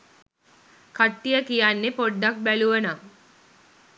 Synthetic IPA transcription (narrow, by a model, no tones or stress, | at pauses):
kaʈːijəkijanːepoɖːak̚bæluʋəna